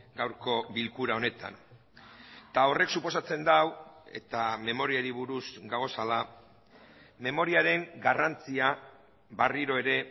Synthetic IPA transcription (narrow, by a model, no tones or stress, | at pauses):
ɡawɾko̞βilkuɾao̞ne̞t̪a̰n | t̪ao̞re̞ksupo̞sat͡se̞nd̪awe̞̰t̪ame̞mo̞ɾiaɾiβ̞uɾusɡaɣ̞o̞sala | me̞mo̞ɾiaɾe̞ŋɡarant͡sia | βariɾo̞e̞ɾe̞